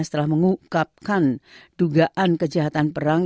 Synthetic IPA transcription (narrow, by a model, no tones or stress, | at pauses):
sə̥t̪əlahməŋukap̚kand̥uɡaʔankəd͡ʒaɦat̪anpəɾaŋ